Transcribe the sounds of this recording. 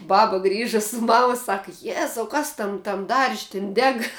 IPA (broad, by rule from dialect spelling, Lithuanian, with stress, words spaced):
ˈbɑːbɐ ˈɡrʲiːʒɐ sʊ ˈmɑːmɐ ˈsɑːkɐ ˈjæːzɐʊ ˈkɐs ˈtɐm tɐm dɐrʲʃʲ tʲɪn ˈdʲɛk